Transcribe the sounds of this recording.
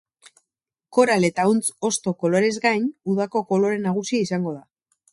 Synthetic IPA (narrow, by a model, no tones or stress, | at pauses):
ko̞ɾale̞t̪aunt͡so̞st̪o̞ko̞lo̞ɾe̞zɡajnuðako̞ko̞lo̞ɾe̞naɣ̞usiaisaŋɡo̞ða